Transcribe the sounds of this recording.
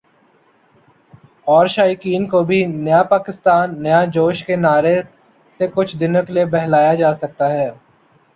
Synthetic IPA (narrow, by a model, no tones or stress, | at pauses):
ɔːɾʃaːjkiːnkobʱinɐjapaːkɪst̪aːnːɐjad͡ʒoːʃkenaːɾe | sekʊt͡ʃʰd̪ɪnəklebɛɦlaːjad͡ʒaːsɐk̚t̪aɦɛː